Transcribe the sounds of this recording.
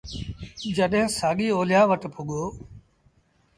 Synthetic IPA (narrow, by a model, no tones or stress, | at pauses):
d͡ʒəɗɦɪ̃saːɠiːoːlɪjãːʋəʈpʊɠoː